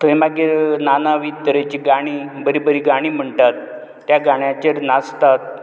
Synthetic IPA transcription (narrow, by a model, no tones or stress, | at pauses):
t̪ʰəimaɡiːɾnanaʋit̪əɾet͡ɕiːɡaɽ̃iːbəɾibəɾiːɡaɽ̃iːm̤əɳt̪at̪ː | jaɡaɽ̃jãt͡ɕeɾnast̪at̪̚